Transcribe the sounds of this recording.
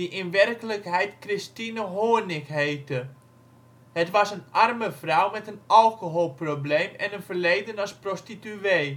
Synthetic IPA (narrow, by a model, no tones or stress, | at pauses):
diʔɪnʋɛrkələkɦɛjtkrɪstinəɦoːnɪkhejtə | hətʋɑsənʔarməvrawmɛtənʔɑlˠkoɦoːlˠprobleːmɛnənfərlejdənɑsprostityeː